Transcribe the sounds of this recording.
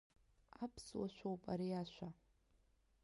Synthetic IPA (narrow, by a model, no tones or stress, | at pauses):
apʰswaʃʷᶣowpʼaɾiaʃʷa